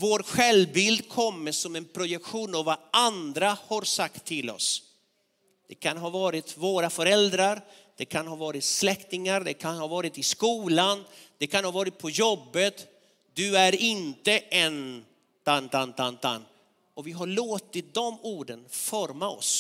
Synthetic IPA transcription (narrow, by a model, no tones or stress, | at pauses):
voːɾɧɛlbɪld̪kʰɔmːəʂɔmɛnpʰɾʊjɛkɧuːnavaand̪ɾahaɾsakt̪ʰːɪlɔ̰s | d̪̥ɛkʰanɦɑːvɑːɾɪt̪voːɾafœɾɛld̪ɾaɾ | d̪̥ɛkʰanhɑːvɑːɾɪt̪slɛkt̪ɪŋaɾd̪ɛkʰanhɑːvɑːɾɪt̪ɪskuːland̪̥ɛkʰanhɑːvɑːɾɪt̪̚pʰɔjɔbːət̪ | d̪ɵæɾɪnt̪əʔɛn | t̪ant̪ant̪ʰant̪a̰nː | ɔvɪɦaɭoːt̪ɪt̪̚d̪ɔmuːɖənfɔɾmaɔ̰s